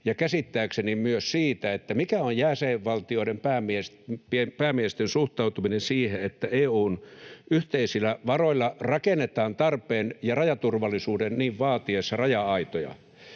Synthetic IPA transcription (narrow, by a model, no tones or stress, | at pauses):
jɑkæsit̪ːæːksenimyøssiːt̪æet̪ːæmikæojjæseʋʋɑlt̪ioiɾempæːmies | piepæːmiest̪ensuht̪ɑut̪uminensiːheet̪ːæeːuːnyht̪eisilːˑæʋɑroilːɑrɑkenːet̪ɑːnt̪ɑrpeːnjɑrɑjɑt̪urʋɑlːˑisuːdenniːʋʋɑːt̪iesːɑrɑjɑɑit̪ojɑ̰